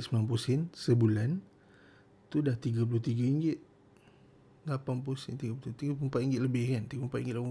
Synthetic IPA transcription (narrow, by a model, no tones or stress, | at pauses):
səmilanp̬usɪnsəbulan | t̪udaht̪iɡap̬ulʊht̪iɡaiŋɡɪt̪̚ | ɡlapanp̬usɪnt̪iɡapulʊt̪iɡapumpat̪̚iŋɡɪt̪̚ləbɪhkant̪iɡəpuəmpat̪̚iŋɡɪt̪̚ʔl